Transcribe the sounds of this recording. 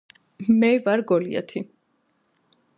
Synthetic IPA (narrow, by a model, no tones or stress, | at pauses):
mɛvaɾɡɔlia̰t̪ʰi